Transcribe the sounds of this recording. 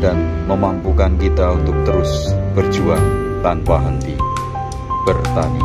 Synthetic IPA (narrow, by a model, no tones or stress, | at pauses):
danməmampukankit̪aunt̪ʊk̚t̪əɾʊsb̥ərd̥ʒ̥uaŋ | t̪anpaɦənt̪i | b̥ərt̪anḭ